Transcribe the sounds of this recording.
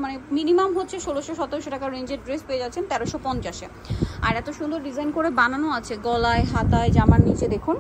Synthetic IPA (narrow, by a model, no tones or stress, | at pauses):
maneminimamɦotːɕʰeʃoloʃoʃɔt̪eɾʃoʈakaɾɾejnd͡ʑeɾɖɾespeed͡ʑatːɕʰent̪ɛɾoʃopɔnt͡ɕaʃe | a̰ɾɛt̪oʃund̪oɾɖid͡ʑajnkoɾebananoat͡ɕʰeɡɔlaeɦat̪aed͡ʑamaɾnit͡ɕed̪ekʰun